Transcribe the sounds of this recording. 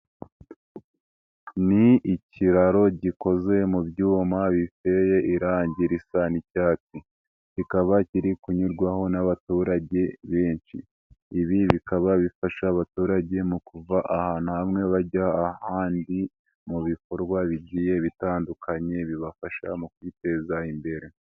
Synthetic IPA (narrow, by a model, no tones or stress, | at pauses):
niiciɾaɾo̞ɟiko̞ze̞mubɟuːmaβife̞je̞ʔiɾaːɲɟiɾisanicaːt͡si | cikaβaciɾikuɲuɾɡwaho̞naβatuɾaɟe̞βeːnʃḭː | βiβikaβaβifaʃaːβatuːɾaɟe̞mukuvaʔahaːn̥uhamŋe̞βaɟaːhaːndi | muβiko̞ɾɡwaβiɟiːje̞βitaːndukʰaɲe̞βiβafaʃa̰mukwite̞ːzaimbe̞ɾe̞